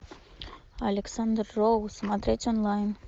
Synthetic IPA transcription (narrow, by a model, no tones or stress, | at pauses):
alʲeksand̪rːowsmɑt̪ɾet̪ʲonlˠɑjn